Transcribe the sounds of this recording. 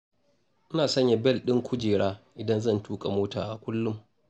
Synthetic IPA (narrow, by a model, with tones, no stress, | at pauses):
ʔɪ˦naː˨sɐ˦ɲja˨bɛ˦˨lɗɪ˦ŋkʷʊ˦d͡ʒeː˨ɽaː˦ʔɪ˨dɐ˦nzɐ˦˨ntuː˦kʼa˨moː˦ta̰ː˨ʔa˨kʷʊ˦lːʊ˦m